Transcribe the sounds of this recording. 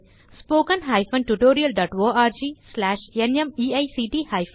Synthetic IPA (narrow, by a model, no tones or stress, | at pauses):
spoːkɐ̃nɦaːjfɐ̃nʈuʈoːɾiɐlɖɔːʈʋoːaːɾd͡ʒiːslaːʃenjɐmiːɐjsiːʈiːhajf